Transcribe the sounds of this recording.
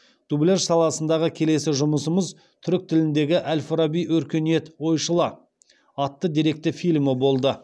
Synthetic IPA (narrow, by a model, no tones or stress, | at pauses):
d̪̥ublʲerʃsɑlˠɑsənd̪ɑʁəkʲʰe̞le̞sɪʒʊməsəməz | t̪ʰʏɾɪk̚t̪ʰɪlɪnd̪e̞ɡʲɪʔælʲfɾabijɵɾkʲe̞nijet̪wo̞jʃəlˠɑ | ɑt̪ːəd̪iɾe̞k̚t̪ɪfilʲmɪbo̞lˠd̪ə